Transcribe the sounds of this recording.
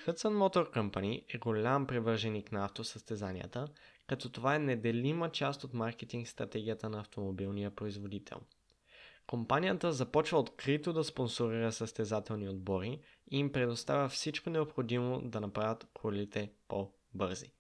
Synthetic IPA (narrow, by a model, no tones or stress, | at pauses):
xɤt̪sənmɔt̪oɾkɐmpaniʔɛɡolʲampɾivɤɾʒɛniknɐaft̪osəst̪ɛzanḭjə̰t̪ə | kɐt̪ɔt̪ovaɛnɛd̪ɛlimət͡ʃast̪ot̪maɾkɛt̪iŋkst̪ɾɐt̪ɛɡ̟ijət̪ənɐːft̪omobilˠnijəpɾoizvod̪it̪ʰɛ̰lˠ | kompanijət̪əzɐpɔt͡ʃvəot̪kɾit̪od̪ɐsponsoɾiɾəsəst̪ɛzat̪ɛlˠniod̪̚bɔɾi | iːmpɾɛd̪ost̪avʲəfsit͡ʃkonɛopxod̪imo̰d̪ɐnɐpɾavʲət̪kʰolit̪ɛpo | bɤɾzḭ